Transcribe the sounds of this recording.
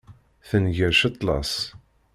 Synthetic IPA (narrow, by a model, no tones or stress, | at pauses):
θənʝəɾʃət̪ˤːlɑ̰s